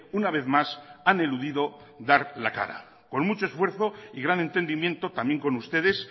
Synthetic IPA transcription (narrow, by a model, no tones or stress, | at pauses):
unaβe̞θmasane̞luðiðo̞ | ðaɾlaka̰ɾa̰ | ko̞nmut͡ʃo̞e̞sfwe̞ɾθo̞iɣɾane̞nt̪e̞nd̪imjẽ̞nt̪o̞t̪amje̞ŋko̞nust̪e̞ðe̞s